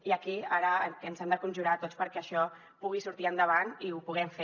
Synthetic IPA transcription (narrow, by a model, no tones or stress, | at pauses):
iəkiaɾəkənzɛmd̪əkunʲʒuɾat̪ot͡spəɾkɛəʃɔ | puɣ̞isuɾt̪iənd̪əβ̞aniupuɣɛmfe